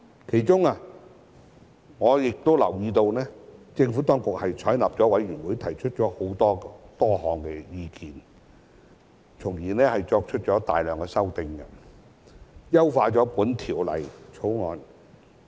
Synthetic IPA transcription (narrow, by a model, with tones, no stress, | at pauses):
kʰe˨˩jt͡sʊ˥ŋa˧ | ŋɔː˨˧jɪ˨k̚t̪o˥wlɐ̰˨˩wjiː˧t̪o˧wnɛː˥t͡sɪ˧ŋfu˨˥t̪ɔː˥ŋkʊ˨k̚hɐ˨jt͡sʰɔː˨˥jna˨p̚t͡sɔː˨˥wɐ˨˥jɥyː˨˩nwu˨˥jt̪ʰɐ˨˩jt͡ʃʰɵ˥t̚t͡ʃɔː˨˥ho˨˥wt̪ɔː˥t̪ɔː˥hɔː˨˧ŋkɛː˧jiː˧kiː˨n | t͡sʰʊ˨˩ŋjiː˨˩nɛː˥hɐ˨jt͡sɔː˧k̚t͡ʃʰɵ˥t̚t͡ʃɔː˨˥t̪aː˨jlœː˨ŋkɛː˧sɐ˥wt̪ɪ˧ŋɡɐ˧ | jɐ˥wfaː˧t͡sɔː˨˥puː˨˥nt̪ʰiː˨˩wlɐ̰˨˩jt͡sʰo˨˥wŋɔː˨˧n